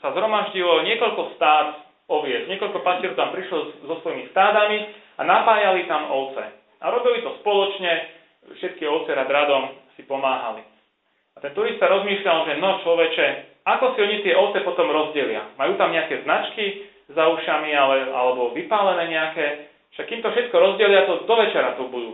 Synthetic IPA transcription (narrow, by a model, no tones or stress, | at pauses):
sazɦɾɔmaʒɟilɔɲɪɛkɔʎkɔst̪aːd̪ | ɔʋɪɛzɲɪɛkɔʎkɔpascɪɛɾɔʊt̪ampɾiʃlɔzɔsʋɔjimist̪aːd̪ami | anapaːjalit̪amɔʊt͡sɛ̰ | aɾɔbilit̪ɔspɔlɔt͡ʃɲɛ | fʃɛt̪̚kiɔʊt͡sɛɾad̪ɾad̪ɔmsipɔmaːɦa̰li | at̪ɛnt̪uɾist̪aɾɔzmiːʃʎalʒɛnɔt͡ʃlɔʋɛt͡ʃɛ | akɔsiɔɲit̪ɪɛʔɔʊt͡sɛpɔt̪ɔmɾɔzɟɛlɪa̰majuːt̪amɲɛakɛznat͡ʃki | zauʃamialɛa̰lɛbɔʋipaːlɛnɛːɲɛakɛː | ʃakːimt̪ɔfʃɛt̪̚kɔɾɔzɟɛlɪat̪ɔd̪ɔʋɛt͡ʃɛɾat̪ubud̪uː